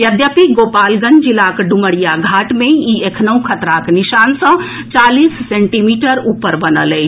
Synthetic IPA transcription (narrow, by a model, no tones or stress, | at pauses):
jəd̪jəpiɡoːpaːlɡənd͡ʒilakɖuməɽijaɡʱaːʈmẽiekʰnəũkʰət̪ɾakniʃaːnsə̃ | t͡ʃaːliːsːẽɳʈimiːʈəɾuːpəɾbənəlɛ